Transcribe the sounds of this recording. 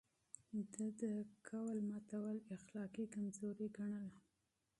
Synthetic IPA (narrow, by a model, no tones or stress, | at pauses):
d̪əd̪əkʰawalmat̪awalɪxlɑkikamzoɾiɡaɳəl